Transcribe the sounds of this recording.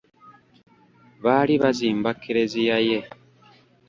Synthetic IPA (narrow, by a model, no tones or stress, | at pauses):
βaɾiβaziːmbakiɾezijaje